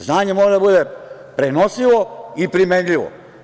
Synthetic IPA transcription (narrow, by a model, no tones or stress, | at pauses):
znaːɲemoːɾed̪abud̪e̞ | pɾenosiʋo̞ipɾimenʎiʋo̰